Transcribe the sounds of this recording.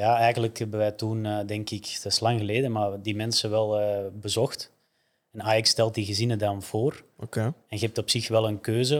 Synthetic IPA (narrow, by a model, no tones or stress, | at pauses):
jaːɛjɣənləkɦɛbəʋɛjtunədɛŋkɪkd̥ɑslaŋɣəleːdəmardimɛnsəʋɛlˠəːbəzɔxt | ɛnaːjakstɛlˠt̚diɣəzɪnədɑnv̥oːrokeɛnɣəɦɛp̚tɔpsɪxʋɛlˠənkøːzə